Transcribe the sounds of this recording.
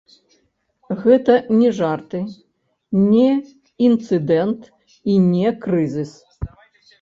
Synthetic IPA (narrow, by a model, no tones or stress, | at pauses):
ɣɛt̪ɐnʲɛʐart̪ɨ | nʲɛ | int̪sɨd̪ɛnt̪ | inʲɛkɾɨzʲɨs